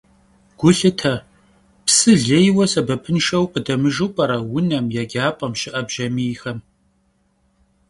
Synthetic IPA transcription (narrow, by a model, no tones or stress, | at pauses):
ɡ̥ʷʊɬɨtʰɐ | psɨɮejwɐsɐbɐpʰɨnʃɐwqədɐmɨʒupʼɐɾɐwʊnɐmjaɡʲaːpʼɐmʃɪʔɐbʒ̥ɐmiːxɐm